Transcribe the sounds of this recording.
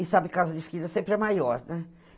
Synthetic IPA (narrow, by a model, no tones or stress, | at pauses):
isabɪkazɐd̪ɪʃkid̪ɐsẽmpɾɛmajɔɾnɛ